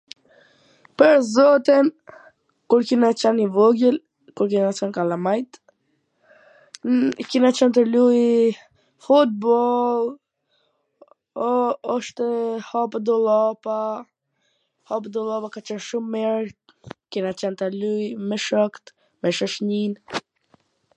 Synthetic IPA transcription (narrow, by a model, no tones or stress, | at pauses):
pəɾzɔt̪in | kuɾkinat͡ʃɛnivɔɡəl | kuɾkinat͡ʃɛnkalamajt̪ | kinat͡ʃɛnt̪̬əluj | fut̪̚bɔlˠ | ɔɔʃt̪ɛhapd̪ɔlˠapa | hapd̪ɔlˠɔpakat͡ʃɛnʃumːɛɾ | kinat͡ʃɛnt̪əlujmɛʃɔkt̪ | mɛʃɔʃɲin